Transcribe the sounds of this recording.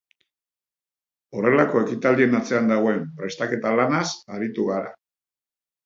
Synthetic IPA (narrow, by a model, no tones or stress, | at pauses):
o̞re̞lako̞e̞kit̪ald̪ie̞nat͡se̞and̪aɣ̞o̞e̞mpɾe̞st̪ake̞t̪alanasaɾit̪uɣaɾa̰